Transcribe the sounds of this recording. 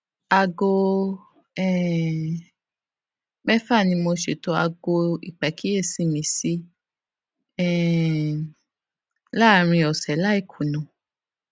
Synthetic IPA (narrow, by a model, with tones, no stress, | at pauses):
a˧ɡo˧ | ɛ˦˨ | bɛ˦fa˦˨nĩ˧mo˧ʃe˨to˧a̰˧ɡo˧ḭ˨k͡pɛ˨˦ki˦e˦˨si˨˦mĩ˧˦si˦ | ɛ̃˦˨ | la˦˨ɾ̃ĩ˧ɔ˨sɛ˨˦la˦i˦˨kʰu˨nũ˨